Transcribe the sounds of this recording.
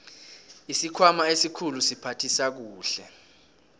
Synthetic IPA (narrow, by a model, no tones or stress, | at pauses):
isikʰwamaesikʰulusipʰatʰisak̬uːɬɛ